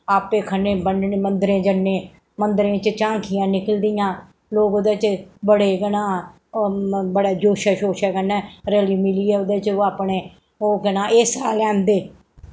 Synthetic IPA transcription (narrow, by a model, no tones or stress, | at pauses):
aːpeːkʰəneːbəneːmənd̪ɾẽːd͡ʒənːẽː | mənd̪əɾẽːt͡ʃt͡ʃãːŋkʰɪjãːnɪkəld̪ɪjãː | loːɡod̪eːt͡ʃbəɽeːɡənãː | bəɽeːd͡ʒoːʃɛːʃoːʃɛːɡənɛːɾɛːliːmɪliːɛːʊd̪eːt͡ʃoːaːpɳeː | oːɡənãːeːsaːlɛ̃ːnd̪eː